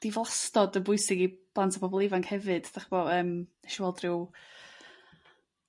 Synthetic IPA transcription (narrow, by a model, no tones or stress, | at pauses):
d̥ivlˠastɔdənbʊɨsɪɡib̥lˠantʰḁpʰɔbɔlˠɪvaŋkhɛvɨd̥d̥aχbɔəːmɛʃwɛlˠdrɪw